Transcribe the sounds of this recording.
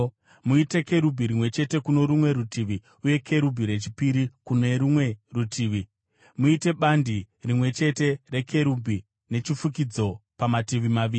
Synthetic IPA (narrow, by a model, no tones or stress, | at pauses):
muite̞ke̞ɾubʱiɾimwe̞t͡ʃe̞te̞kuno̞ɾumwe̞ɾutiʋi | uje̞kʰe̞ɾubʱiɾe̞t͡ʃipiɾikune̞ɾumwe̞rutʰiːʋi | muite̞ɓandi | rimwe̞t͡ʃe̞te̞re̞kʰe̞ɾubʱi | ne̞t͡ʃifuk̬id͡zo̞pamatiʋimaʋiːi